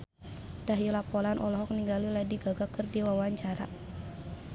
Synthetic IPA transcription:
d̥aɦjulapɔlanʔɔ̰lɔɦɔk̚niŋɡaliladiɡaɡakərdiwawaɲt͡ʃaɾa̰

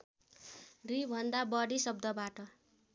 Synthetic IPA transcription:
ribʱʌnd̪abʌɽisʌb̚d̪ʌbaʈʌ

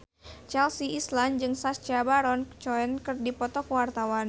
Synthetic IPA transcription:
t͡ʃɛlsiisland͡ʒɨŋsast͡ʃabaɾɔnt͡ʃɔɛnkɨrdipɔt̪ɔkwart̪awan

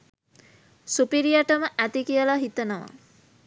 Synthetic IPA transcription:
supiɾijaʈəməʔæt̪ikijəlaɦit̪ənəʋa̰

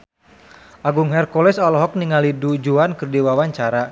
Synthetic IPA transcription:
ʔaɡuŋɦɛrkɔlɛsɔlɔɦɔk̚niŋalidud͡ʒuankɨrdiwawaɲt͡ʃaɾa

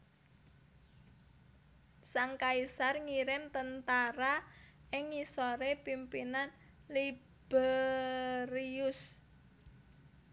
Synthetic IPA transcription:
saŋkaisarŋiɾɪmt̪ənt̪aɾaʔɪŋːisoɾepimpinan | li | b̥ɛ | ɾiʊs

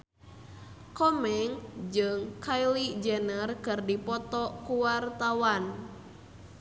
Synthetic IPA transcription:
kɔmɛŋd͡ʒɨŋkʰajlid͡ʒɛnərkɨrdipɔt̪ɔkuwart̪awan

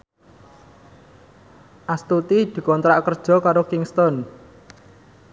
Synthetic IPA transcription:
ʔast̪ut̪id̪̥i̤kɔnt̪ɾaʔkərd̥ʒ̥ɔ̤kaɾokɪŋst̪ɔn

